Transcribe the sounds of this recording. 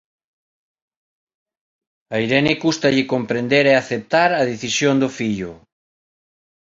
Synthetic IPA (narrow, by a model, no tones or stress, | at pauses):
aiɾɛnekust̪aʎɪkompɾend̪eɾeaθep̚t̪aɾɐð̞eθisjond̪ofiʎʊ